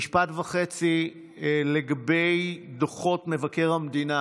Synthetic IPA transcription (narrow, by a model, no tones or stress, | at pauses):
iʃpatvaχet͡si | leɡabejdoχo̞tme̞vake̞ʁhamd̪ina